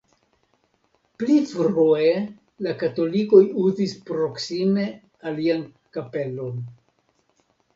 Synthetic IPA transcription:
plifɾue | lakato̞liko̞juzispɾo̞ksime̞ | alian | kape̞lo̞n

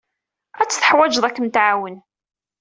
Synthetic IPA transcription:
æt͡sːθə̥ħwæd͡ʒðˤækːənt̪ʕawən

